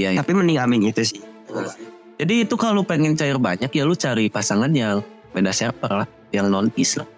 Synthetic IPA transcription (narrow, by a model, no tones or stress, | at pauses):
jaapiməniŋamɪŋit̪usɪh | d͡ʒadiːt̪ukalupɛŋɛnt͡ʃaɪrbaɲakjalut͡ʃaɾipasaŋanjaŋ | bedasaapərlah | jaŋnɔnɪsla̰h